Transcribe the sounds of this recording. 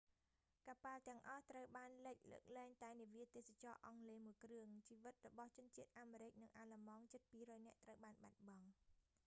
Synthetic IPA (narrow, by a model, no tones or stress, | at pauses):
kaːpalt̪ɛ̆əŋʔɑht̪rəwɓaːnləc̚lə̰ːk̚lɛːŋt̪aɛniʋiət̪eːsat͡ɕɑːʔɑŋleːmuəjkrɨəŋt͡ɕiːʋɨt̪̚rɔɓɑht͡ɕʊ̆ənt͡ɕiət̪̚ʔaːmeːɾɨc̚nɨŋʔaːlamɑːŋt͡ɕɨt̪̚piːrɔːjnɛ̆əʔt̪rəwɓaːnɓat̪̚ɓɑŋ